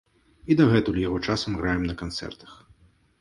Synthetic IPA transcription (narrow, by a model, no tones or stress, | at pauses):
id̪ɐɣɛt̪ulʲijaɣɔt͡ʂasɐmɣɾajɛmnɐkant̪sɛ̰rt̪ɐ̥x